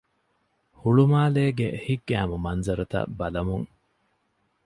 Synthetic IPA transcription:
huɭumaːleːɡehiɡːæːmumɐnzɐɾɐt̪ɐ̰bɐlɐmuŋ

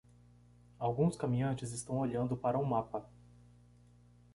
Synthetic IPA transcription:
awɡũskamĩɐ̃nt͡ʃɪzɪst̪ɐ̃w̃oʎɐ̃nd̪ʊpaɾɐũmapɐ

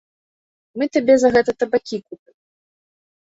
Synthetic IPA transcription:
mɨt̪abʲɛzɐɣɛt̪ɐt̪ɐbakʲikupʲɨm

